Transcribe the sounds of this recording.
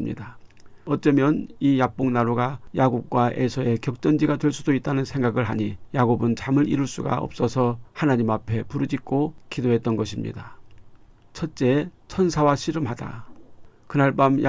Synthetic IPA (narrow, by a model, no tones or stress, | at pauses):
mɲḭdaʌt͡ɕ͈ʌmjʌnijap̚p͈oŋnaɾoɡajaɡuk̚k͈waʔesʰʌe̞kjʌk̚t͡ɕ͈ʌnd͡ʑiɡatwe̞ɭs͈udoit̚t͈anɯnsʰe̞ŋɡaɡɯɭɦaɲijaɡobɯnt͡ɕamɯɾḭɾuɭs͈uɡa̰ʌ̰p̚s͈ʌsʰʌhanaɲimapʰe̞puɾɯd͡ʑik̚k͈okidoɦe̞t͈̚ʌnɡʌɕʰimɲḭda | t͡ɕʰʌt̚t͡ɕ͈e̞t͡ɕʰʌnsʰawaɕʰiɾɯmɦada̰ | kɯnaɭp͈amj